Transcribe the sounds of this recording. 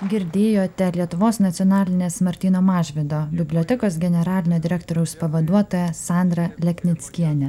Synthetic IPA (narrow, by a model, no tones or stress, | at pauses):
ɡʲɪɾʲd̪ʲeːjoːt̪ʲɛlʲiɛt̪ʊʋoːsnɐt̪sʲɔːnɑːlʲɪnʲeːsmɐɾʲt̪ʲiːnoːmɑːʒʲʋʲɪd̪oːbʲɪbʲlʲiɔt̪ʲɛkoːsɡʲɛnʲɛɾɑːlʲɪnʲoːd̪ʲɪɾʲækt̪oːɾʲɛʊspɐʋɐd̪uɔt̪oːjɛsɑːˑnd̪ɾɐlʲɛkʲnʲɪt̪sʲkʲiɛnʲɛ